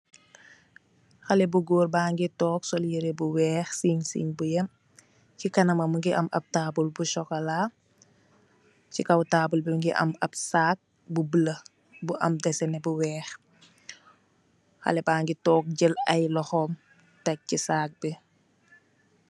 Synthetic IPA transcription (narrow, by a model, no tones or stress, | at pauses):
xɐlɛbuɡoːrbaːŋɡitɔːksɔljəɾebuwɛːxsiːɲsḭɲbujɐm | cikɐnɐmɐmuŋɡiʔɐ̰mʔɐ̰p̚taːbulbuʃɔkɐlaː | cikɐwtaːbulbiŋɡiʔɐ̰mɐp̚saːk̚ | bubəlɐ | buʔɐmdɛsɛnɛbuwɛːx | xɐ̰lɛbaːŋɡitɔːk̚ɟəlɐjlɔxɔm | tɐc̚ːisaːk̚bɛ